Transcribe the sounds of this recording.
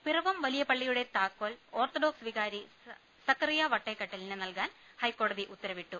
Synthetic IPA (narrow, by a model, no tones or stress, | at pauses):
pirɐʋɐmʋɐlijɐpɐɭːijuɽe̞t̪aːkːoːlo̞ːrt̪oɖoːksʋiɣaːɾi | sɐkːɐrijaʋɐʈːekːɐʈːɐlinɨnɐlkaːnhɐjkːo̞ːɽɐðiʔut̪ːɐɾɐʋiʈːu